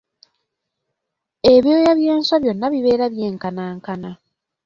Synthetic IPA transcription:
e̞βjo̞ːjaβje̞ːnswaβjo̞nːaβiβe̞ːɾaβjeːŋkanaːŋkana

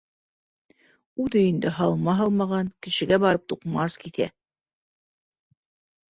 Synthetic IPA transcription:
ʉðɘind̪ɘɦɑlˠmɑɦɑlˠmɑʁɑŋkɘ̆ʃɘ̆ɡæbɑɾɤp̚t̪uqmɑskiθæ̰

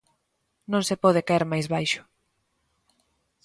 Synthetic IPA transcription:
nõŋsepɔð̞ɪkaeɾmajzβajʃʊ̥

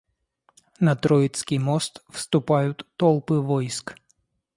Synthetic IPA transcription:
nɐt̪ɾɔjɪt̪skʲijmɔst̪fst̪ʊpajʊt̪ːɔlˠpɪʋɔjsk

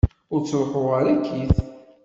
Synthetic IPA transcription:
ʊɾt͡sːlħʊʁaɾækʰːiθ

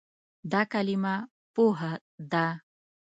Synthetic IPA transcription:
d̪akalima | poɦa | d̪a

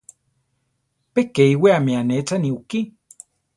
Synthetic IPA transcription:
pekeiweameanet͡saniuki

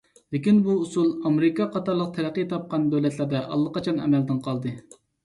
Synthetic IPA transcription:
lekʲinbuːsulˠɑmɾɪkɑqʰɑt̪ɑɾlˠəq̚t̪ʰɛɾæqːijt̪ʰɑp̚qɑnd̪øwlɛt̪læɾd̪ɛʔɑ̰lˠːəqɑt͡ʃʰɑnɛ̰mɛld̪ɪnqʰɑlˠd̪ɨ

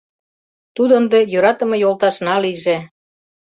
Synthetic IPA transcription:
t̪ud̪ə̆nd̪ejøɾɑt̪ə̆mɤ̆jolˠt̪ɑʃnɑliʒe

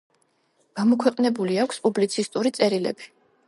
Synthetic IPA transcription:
ɡ̥amɔkʰwɛqʼnɛbuliakʷʰspʼublit̪sʰist̪ʼuɾit̪sʼɛɾilɛ̰bi

